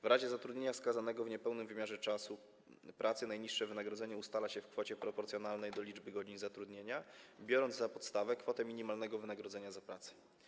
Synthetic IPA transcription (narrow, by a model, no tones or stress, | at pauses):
vɾaʑɛzat̪ɾud̪ɲeɲafskazanɛɡɔvɲɛpɛwnɘmvɘmjaʐɛt͡ʂasu | pɾʔat̪sɛnajɲiʂʂɛvɘnaɡɾɔd̪zɛɲɛust̪alaɕɛfkfɔt͡ɕɛpɾɔpɔɾt̪sʲjɔnalnɛjd̪ɔlʲid͡ʐbɘɡɔd͡ʑinzat̪ɾud̪ɲeɲabʲjɔɾɔnd̪zapɔt̪st̪avɛkfɔt̪ɛmʲiɲimalnɛɡɔvɘnaɡɾɔd̪zɛɲazapɾat̪sɛ̥